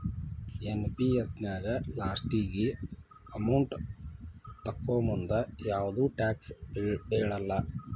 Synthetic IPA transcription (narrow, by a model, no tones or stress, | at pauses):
enpiesnaːɡɐlaːsʈiːɡi | ɐmɐwɳʈ | t̪ɐkːoːmund̪ɐjaːʋɐd̪uːʈaːksbeːɭɐlːɐ